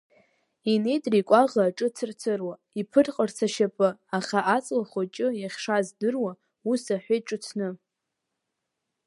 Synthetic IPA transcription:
ine̞jtʼrikʷʼaʁaːʈ͡ʂʼɨt͡sʰɨrt͡sʰɨrwa | ipʰɨrqʼərt͡sʰaʃapʼɨaχaʔat͡sʼlaχat͡ʃʼɨjaχʲʂazdɨrwa | usaħʷejʈ͡ʂʼɨt͡sʰnɨ

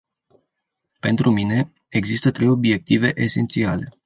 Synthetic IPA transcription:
pe̞nt̪ɾʔumine̞ | eɡzist̪ət̪ɾe̞jo̞bie̞k̚t̪ive̞ʔese̞nt̪siale̞

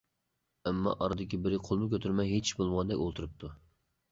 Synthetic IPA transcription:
ɛmːɑ̰ʔɑɾɨd̪ɪkʲibɪɾɪqʰolˠmɨkʲʰøt̪ʰyɾmɛjɦet͡ʃʰbolˠmʁɑnd̪ɛ̰kʲolˠt̪ʰuɾɨp̚t̪ʰu

